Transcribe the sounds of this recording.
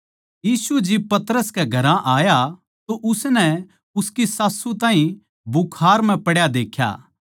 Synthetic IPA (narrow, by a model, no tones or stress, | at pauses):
jiːsud͡ʒɪb̚pɐt̪əɾəskɛɡʱɐɾãʔaːja | t̪oʔʊsnɛ | ʊskisaːsːut̪ãːɦĩ | bʊkʰaːɾm̤ɛ̃pɐɽjad̪eːkʰja̰ː